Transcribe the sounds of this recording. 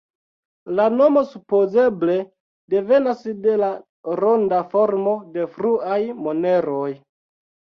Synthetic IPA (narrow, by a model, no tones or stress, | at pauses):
lano̞mo̞supo̞ze̞ble̞ | de̞ve̞nasde̞la | ɾondafo̞ɾmo̞de̞fɾuajmo̞ne̞ɾo̞j